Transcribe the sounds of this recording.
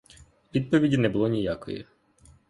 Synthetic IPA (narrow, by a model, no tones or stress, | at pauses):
ʋʲid̪̚pɔʋʲidʲinɛbʊlˠɔnʲijakɔ̰jɛ̰